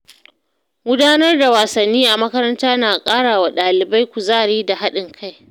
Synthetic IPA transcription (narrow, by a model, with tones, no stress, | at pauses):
ɡʷʊ˦daː˦nɐ˦rda˨waː˨sɐ˨nːiː˦ʔa˨mɐ˦kɐ˦ɾɐ˦ntaː˦naː˨kʼaː˦ɽaː˨wa˨ɗaː˨lɪ˨ba˦jkʷu˨zaː˦˨ɽiː˦da˨ɦa˦ɗɪ˨ŋkʰa˦j